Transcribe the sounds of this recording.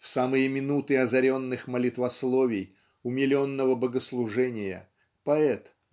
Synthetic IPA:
fsamɨjəmʲɪnut̪ɨɐzɐɾʲo̞nːɨxməlʲɪt̪vɐslˠovʲɪj | ʊmʲɪlʲo̞nːəvəbəɡəslˠʊʐɛnʲɪjə̰ | pɐɛt̪

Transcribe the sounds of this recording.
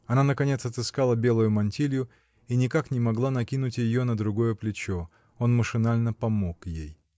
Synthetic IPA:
ɐnanəkɐnʲe̞t̪sɐt̪ɨskalˠəbʲe̞lˠʊjʊmɐnʲtʲilʲjʊ | inʲɪkaknʲɪmɐɡlˠanɐkʲinʊtʲjɪjonəd̪ɾʊɡo̞jəplʲɪt͡ɕo̞ | o̞nməʂɨnalʲnəpɐmo̞kjej

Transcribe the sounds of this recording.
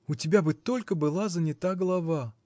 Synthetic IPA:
ʊtʲɪbʲabɨt̪o̞lʲkəbɨlˠazənʲɪt̪aɡəlˠɐva

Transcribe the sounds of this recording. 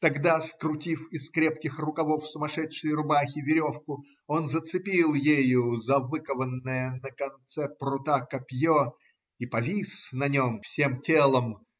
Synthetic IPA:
t̪ɐɡd̪askɾʊtʲifɪskɾʲe̞pkʲɪxrʊkɐvo̞fsʊmɐʂɛtʂɨjɾʊbaxʲɪvʲɪɾʲo̞fkʊ | onzət̪sɨpʲilˠjejʊzɐvɨkəvənːəjənəkɐnt̪sɛpɾʊt̪akɐpʲjo | ipɐvʲisnɐnʲomfsʲe̞mtʲelˠəm

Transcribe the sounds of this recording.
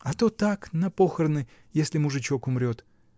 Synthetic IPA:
ɐt̪ot̪aknɐpoxərnɨjesʲlʲɪmʊʐɨt͡ɕo̞kʊmɾʲo̞t̪

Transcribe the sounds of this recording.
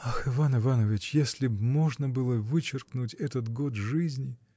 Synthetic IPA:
axɨvanɨvanəvʲɪt͡ɕjesʲlʲɪbmo̞ʐnəbɨlˠəvɨt͡ɕɪrknutʲɛt̪ət̪ɡo̞t̪ʐɨzʲnʲɪ

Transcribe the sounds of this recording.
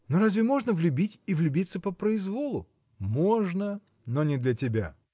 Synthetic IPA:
noɾazʲvʲɪmo̞ʐnəvlʲʉbʲitʲivlʲʉbʲit̪səpəpɾəɪzvo̞lˠʊ̰ | mo̞ʐnə | nonʲɪd̪lʲɐtʲɪbʲa̰

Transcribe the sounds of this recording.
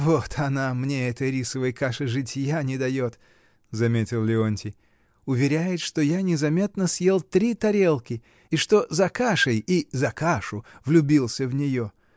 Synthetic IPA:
vot̪ʰɐnamnʲeɛt̪əjɾʲisəvəjkaʂɨʐɨtʲjanʲɪd̪ɐjo̞t̪ | zɐmʲetʲɪlˠlʲɪonʲtʲɪ | ʊvʲɪɾʲæjɪt̪ʂt̪o̞janʲɪzɐmʲe̞t̪nəsʲje̞lˠt̪ɾʲit̪ɐɾʲe̞lˠkʲɪ | iʂt̪o̞zɐkaʂəjizɐkaʂʊvlʲʊbʲilˠsʲəvnʲɪjo

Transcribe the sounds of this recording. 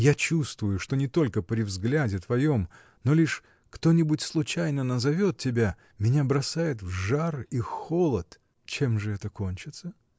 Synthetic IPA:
jat͡ɕust̪vʊjʊʂt̪o̞nʲɪt̪o̞lʲkəpɾʲɪvzɡlʲadʲɪt̪vɐjo̞m | no̞lʲiʂ | kt̪o̞nʲɪbʊtʲslˠʊt͡ɕajnənəzɐvʲo̞t̪̚ʲtʲːɪbʲa | mʲɪnʲabɾɐsajɪt̪vʐarixo̞lˠət̪ | t͡ɕe̞mʐɨɛt̪əkonʲt͡ɕɪt̪sə

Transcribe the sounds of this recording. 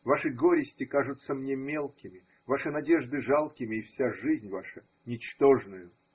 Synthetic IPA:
vaʂɨɡoɾʲɪsʲtʲɪkaʐʊt̪səmnʲemʲelˠkʲɪmʲɪ | vaʂɨnɐdʲe̞ʐd̪ɨʐalˠkʲɪmʲɪːfsʲaʐɨzʲnʲvaʂə | nʲɪt͡ɕt̪o̞ʐnɨjʊ

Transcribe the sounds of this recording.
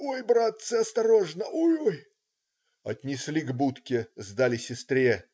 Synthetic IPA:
ojbɾat̪sɨɐst̪ɐɾoʐnəʔojoj | ɐ̰tʲnʲɪsʲlʲiɡbut̪kʲɪzd̪alʲɪsʲɪst̪ɾʲe

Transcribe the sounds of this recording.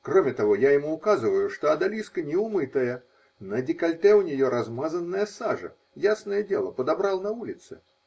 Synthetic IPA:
kromʲɪt̪avojajɪmuːkazɨvəjʊʂt̪oɐd̪ɐlʲiskənʲɪʊmɨt̪əjə | nɐdʲɪkɐlʲt̪ɛʊnʲɪjɔɾɐzmazənːəjəsaʐə̰ | jasnəjədʲelˠəpəd̪ɐbɾalˠnɐulʲɪt̪sɨ

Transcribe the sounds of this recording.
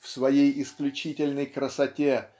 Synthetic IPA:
fsvɐjejɪsklʲʉt͡ɕitʲɪlʲnəjkɾəsɐtʲe

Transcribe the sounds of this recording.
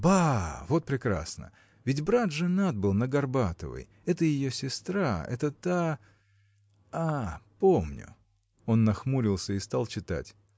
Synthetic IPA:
bavo̞t̪̚pɾʲɪkɾa̰snə̰ | vʲɪtʲbɾat̪ʐɨnad̪̚bɨlˠnəɡɐrbat̪ə̰vɨ̰j | ɛt̪əjɪjosʲɪst̪ɾaɛ̰t̪ət̪a | apo̞mnʲʊ̰ | o̞nːɐxmuɾʲɪlˠsʲəɪst̪alˠt͡ɕɪt̪a̰tʲ

